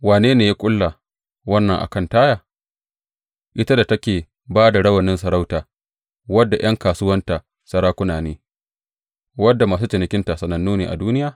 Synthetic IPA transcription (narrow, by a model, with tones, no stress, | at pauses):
waː˨neː˦neː˨ja˦kʷʼʊ˦lːa˨ | wɐ˦nːɐ˨ŋʔa̰˨kɐ˦ntaː˦jaː˨ | ʔɪ˦ta˦da˨tɐ˦kʲeː˨ | baː˦da˨ɽɐ˦wɐ˨nːɪ˦nsɐ˨ɽa˦wtaː˨ | wɐ˦dːa˨j̰ɐ˦ŋkaː˨sʊ˦wɐ˦nta˨ | sɐ˦ɽaː˦kʷʊ˦naː˨neː˦ | wɐ˦dːa˨maː˨s̬uː˦t͡ʃɪ˨nɪ˨kʲɪ˦nta˨sɐ˨nɐ˨nːuː˦neː˨ʔa̰˨duː˦nɪ˦jaː˨